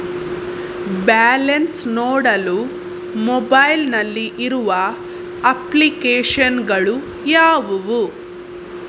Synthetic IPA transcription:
baːlɐnsnoːɽɐlu | mɔbɐjlnɐlːiʔiɾuʋɐ | ɐplikeːʂɐnɡɐɭu | jaːʋuʋu

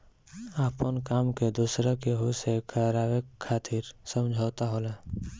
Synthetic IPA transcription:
aːpənkaːmked̪usɾəkeɦusekʰəɾaːwekʰːaːt̪ʰiːɾsə̃md͡ʒʱaːt̪aɦoːlaː

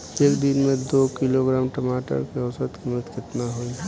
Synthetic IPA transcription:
eːkd̪ɪnmẽd̪okiloɡɾaːmʈəmaːʈə̰ɾkeɔsət̪kimət̪kɪt̪naɦoi

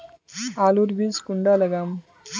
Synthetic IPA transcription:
aːluɾbiskuɳɖaːlɐɡam

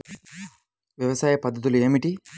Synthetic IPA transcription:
ʋjɐʋɐsaːjɐpɐd̪ʱːɐt̪̬ulue̞ːmiʈi

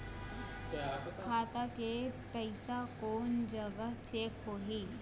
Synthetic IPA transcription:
kʰaːt̪akepɛɪsakoːnd͡ʒɐɡəɦt͡ʃeːkɦoːɦiː

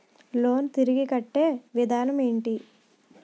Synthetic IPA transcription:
lo̞ːnt̪iɾiɡikɐʈːe̞ːʋid̪ʱaːnɐmeːɳʈi

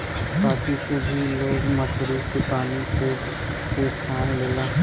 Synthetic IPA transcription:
saːt̪ʰisebʱiloːɡmət͡ʃʰɾiːkepaːnise | seːt͡ʃʰaːnleːlaː

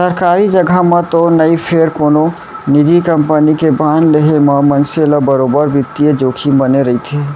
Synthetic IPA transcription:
səɾkaɾid͡ʒəɡʱamẽt̪onəipʰeɾkono | nid̪ikəmpənikebanleɦeməmənseləbəɾobəɾbit̪ːied͡ʒoːkʰibəneɾəɦit̪ʰe

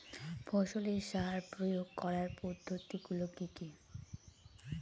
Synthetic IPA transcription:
bʰʱɔʃoleɾʃaɦaɾpɾojoɡ̚kɔɾaɾpod̪ʱːot̪iɡulokiki

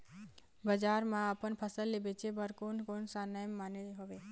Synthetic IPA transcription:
bəd͡ʒaɾmãəpənpʰəsəlːebet͡ʃʰebəɾkonkonsanəjəmːaneɦoʋe

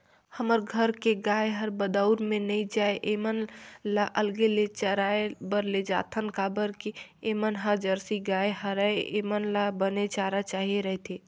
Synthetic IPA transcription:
həməɾɡʱəɾkeɡaeɦəɾbəd̪əʊɾmenəid͡ʒaeʔemənlaʔəlɡelet͡ʃəɾaebəɾled͡ʒa̰t̪ʰənkabəɾkeemənɦəɾd͡ʒəɾsiɡaeɦəɾəeḛmənlabənet͡ʃaɾat͡ʃaɦieɾəɦt̪ʰi

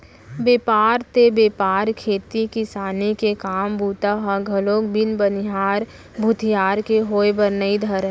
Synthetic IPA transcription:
beːpaːɾt̪ebeːpaːɾkʰeːt̪ikisaːnikekaːmbuːt̪aɦãɡʱɐloːk̚bɪnbənɪɦaːɾ | bʱʊt̪ʰijaːɾkeɦoːjbəɾnəid̪ʱəɾ

